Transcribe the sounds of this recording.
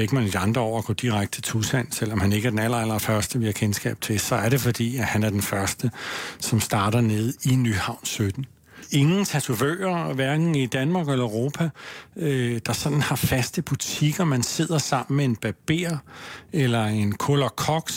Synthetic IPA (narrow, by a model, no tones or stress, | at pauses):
eɡ̥əmæned̥iɑ̈nd̥ʁɐɒ̰ʊ̰ɐɡ̥ɔ̰ːd̥iʁaɡ̥̚d̥t͡sʰet͡sʰusæn̰sel̰ɒ̽mhæne̝ɡ̥əæɐd̥enæl̰ɐæl̰ɐfɶɐsd̥əʋihɑ̈kʰensɡ̥ɛ̰ːb̥̚t͡sʰe̝sɒ̽æɐɾe̝fɒ̽d̥ḭːæhænæɐd̥enfɶɐsd̥əsɒ̽msd̥ɑ̈ːɾɐne̝ð̞ˠinyhɑ̈ʊ̰nsød̥n̩ | e̝ŋn̩t͡sʰæt͡sʰuʋø̰ːɐʋæɐɡ̥n̩id̥ænmɑ̈ːɡ̥elɐøʁo̝ːpʰæød̥ɑ̈sɒ̽d̥n̩hɑ̈fæsd̥əb̥ut͡sʰiɡ̥ɐmænse̝ð̰ˠɐsɑ̈m̰n̩mee̝nb̥æb̥e̝̰ːɐelɐe̝nkʰolɐkʰɒɡ̥